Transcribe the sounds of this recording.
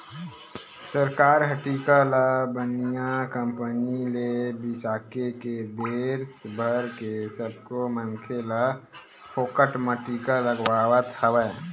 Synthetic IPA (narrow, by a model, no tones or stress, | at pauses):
səɾkaːɾɦəʈikalabənijakə̃mpənilebɪsaːkeked̪eːɾsbʱəɾkesəb̚komənkʰela | pʰoːkəʈməʈikaləɡwaːwət̪həʋə